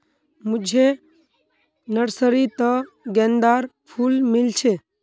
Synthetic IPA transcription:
mʊd͡ʒʱe | nəɽsəɾit̪ə | ɡɛ̃nd̪aːɾpʰulmɪlt͡ʃʰe

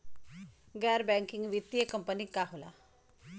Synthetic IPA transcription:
ɡɛːɾbɛŋkɪŋɡʋit̪ijəkəmpənikaɦola̰

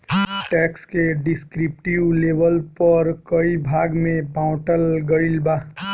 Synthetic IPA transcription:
ʈɛːkskeɖɪskɾɪp̚ʈiʋleːbəlpəɾkəibʱaːɡmẽpaʊʈəlɡəɪlbaː

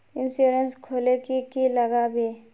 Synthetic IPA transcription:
ɪnsjuɾenskʰoːlekikiləɡabʱi

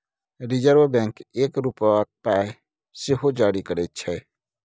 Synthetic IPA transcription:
ɾid͡ʒəɾʋəbɛ̃ŋkekɾupak̚pae | seɦod͡ʒaɽikəɾɛt̪̚t͡ʃʰɛ

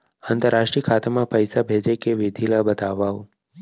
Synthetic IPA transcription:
ant̪əɾaʃʈɾijəkʰat̪amãpəjsabʱed͡ʒekeʋɪd̪ʱilabət̪aʋao

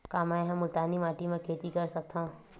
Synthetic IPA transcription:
kaːmãɦɛ̃mʊlt̪aːnimaːʈimẽkʰeːt̪ikɐɾsɐk̚t̪ã

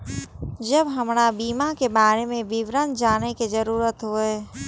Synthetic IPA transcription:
d͡ʒəbɦɐmnabiːmakebaːɾemẽbiʋɾənd͡ʒaːnekizəɾuːɾət̪ɦoeː

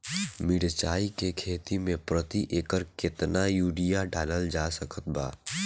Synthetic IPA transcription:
mɪɽt͡ʃaːikekʰeːt̪imẽpɾət̪iʔeːkəɾkɪt̪najuːɖijaɖʱaːnəld͡ʒaːsəkʰət̪̚ba̰ː

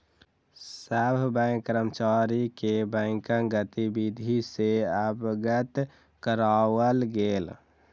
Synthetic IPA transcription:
səbʱbɛ̃kəɾəmt͡ʃaːɾikebɛ̃kə̃ŋɡət̪ibid̪ʱiseəbɡət̪ | kəɾaːwəlɡeːl

